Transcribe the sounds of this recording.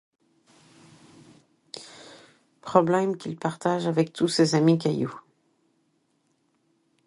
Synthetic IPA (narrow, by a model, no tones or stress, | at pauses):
pχɔblɛmkʲilpaʁt̪aʒavɛk̚t̪usezamikajṵ